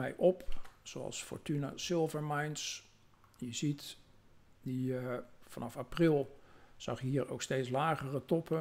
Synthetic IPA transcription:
mɛjʔɔpsoɑ̰lˠsfɔ̰ɹtynə̰sɪlˠvəɹmajnts | jəzit | difɑnɑfaprilˠz̥ɑ̰χjəɦiːəɹo̰wksteːtslaːχərətɔpə

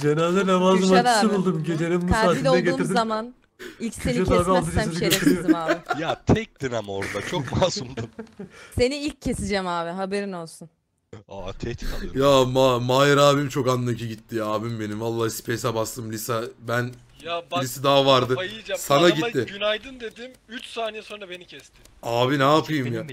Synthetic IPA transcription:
d͡ʒenɛlʲd̪ɛnamazmaiʃɯbulˠd̪umɟed͡ʒeɾimmusaːt̪id̪ɛɡet̪uːiɾd̪izaman | ilʲcseneaːbialˠt̪ɯd͡ʒasɯziøɾijoiaːɪjat̪ʰɛc̚t̪inamoɾd̪at͡ʃʰomaːsumd̪use̞niilʲc̚ʰːe̞sid͡ʒɛmaːvɪɦabe̞ɾino̞lˠsun | at̪ʰɛt͡ʃjaːmamaːjaɾaːbimt͡ʃʰo̞kanːaciɟit̪ːiaːbimbe̞nimvalˠːaːsi̥pʰesabast̪ʰɯmlʲisabæn | jalʲisid̪aɦavaɾd̪ɯjɯd͡ʒasanaɟit̪ːɪɟynajd̪ɯnd̪e̞d̪imyt͡ʃsaːnijɛso̞nɾabe̞nicʰɛst̪ʰɪ | aːvinaːpʰɯjɯmjaː

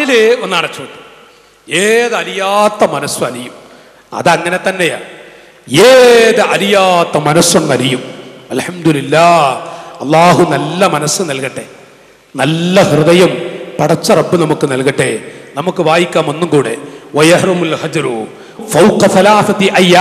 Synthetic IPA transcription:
ileonːaːɳet͡ɕoːd̪i | eːðɐɾijaːt̪ːɐmɐnɐswɐɐɾijum | ɐ̰ðɨɐŋːɐne̞t̪ɐnːeja̰ːɳ | eːðɨɐɾijaːt̪ːɐmɐnɐswɐnːɐɾijumɐlħɐmd̪ulilːaːɐlˠˤːaːɦunɐlːɐmɐnɐsːɨnɐlkɐʈːe̞̰ | nɐlːɐhrɨðɐjɐmpɐɽɐt͡ɕːɐrɐbːɨnɐmukːɨnɐlkɐʈːenɐmukːɨʋaːjikʲːaːmo̞nːumkuːɽewɐjɐħrumulhɐd͡ʒɾu | fɐwqɐθɐlaːθɐt̪iʔɐjːaː

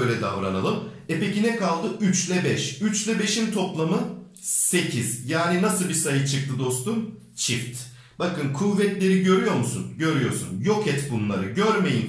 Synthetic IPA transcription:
øjlʲɛd̪a̰ːo̰ɾanalˠɯmepe̞cinɛkalˠd̪ɯʔyt͡ʃlʲɛbɛʃyt͡ʃlʲɛbe̞ʃimt̪ʰo̞plˠamɯ | se̞cʰiz̥jaːninasɯlˠbisajɯt͡ʃʰɯk̚t̪ʰɯd̪o̞st̪um | t͡ʃʰift̪ | b̥akɯnkʰuvːɛt̪lʲe̞ɾiɟø̞ɾyjo̞ɾmusunɟø̞ɾyjo̞̰ɾsṵnjo̞kʰɛt̪bunlˠaɾɯɟøɾme̞jin

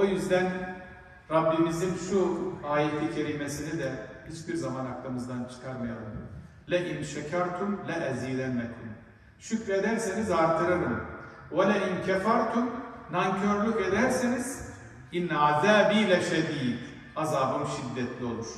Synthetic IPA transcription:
ojyzd̪æn | ɾabːimizinʃuaːjit̪ʰicʰeɾimesinid̪ɛhit͡ʃbiɾzamanaklˠɯmɯzd̪ant͡ʃʰɯ̥kʰaɾmajalˠɯm | lʲɛʔinʃɛcʰaɾt̪ʰumlɛʔɛzijlʲɛnmɛt̪ʰːim | ʃycɾed̪æɾsinizaɾt̪ʰɯɾaɾɯmolʲɛincʰɛfaɾt̪ʰunnancʰøɾlʲyked̪æɾsiniz̥ | inaːd̪aːbilʲɛʃɛd̪iːd̪ | azaːbɯmʃid̪ːɛt̪ʰlʲio̞lˠuɾ̥

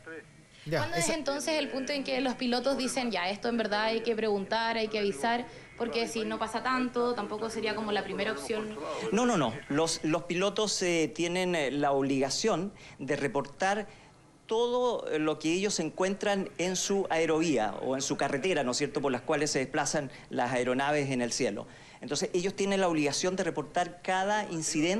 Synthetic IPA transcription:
wand̪oesent̪o̞nseselpunt̪oeŋkelospilot̪ozðise̞nʝae̞st̪oembe̞ɾðaajkepɾe̞ɣunt̪aɾajkeaβisaɾ | poɾkesino̞pasat̪ant̪ot̪ampo̞kose̞ɾiakomo̞lapɾimeɾaopsjo̞nnono̞noloslospilot̪oset̪jenenlaoβliɣasjo̞n | d̪erepo̞ɾt̪aɾ | t̪oðolokeeʝosːeŋkwe̞nt̪ɾanensuaeɾo̞βia̰o̰ensukaret̪eɾano̞sjeɾt̪opoɾlaskwalesːe̞ðeplasan | lasaeɾo̞naβesenelsje̞lo̰ | ent̪o̞nseseʝost̪je̞nenlaoβliɣasjo̞nd̪e̞repo̞ɾt̪aɾkaðainsiðen

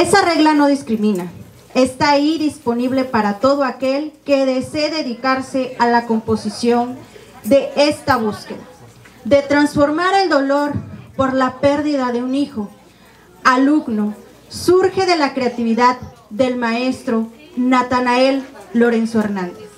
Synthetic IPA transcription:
e̞sare̞ɣlano̞ðiskɾimĩna | est̪aiðispo̞niβle̞paɾat̪o̞ðoake̞lke̞ðeseðe̞ðikaɾse̞alako̞mpo̞sisjo̞n | d̪e̞ʔest̪aβuskeða | d̪e̞t̪ɾansfo̞ɾmaɾe̞ld̪o̞lo̞ɾpo̞ɾlape̞ɾðiðaðe̞unixo̞ | aluɣno | suɾxe̞ðe̞lakɾe̞at̪iβiðaðːe̞lmae̞st̪ɾo̞ | nat̪anae̞lːo̞ɾensoeɾnãnd̪es

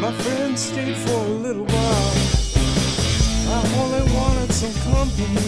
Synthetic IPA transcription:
maɪfɹɛ̃ndz̥steɪdfə˞əlɪɾl̩ˠwaɪlˠ | aɪõʊ̃liwɑ̃ɾ̃ɪd̥sʌ̃mkʰʌ̃mpɨ̃

